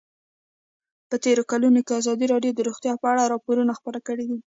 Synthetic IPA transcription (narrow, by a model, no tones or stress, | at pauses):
pət̪eɾokalunokeazɑd̪iɾɑɖjod̪əɾoxt̪jɑpəaɽaɾɑpoɾunaxpəɾakəɽid̪i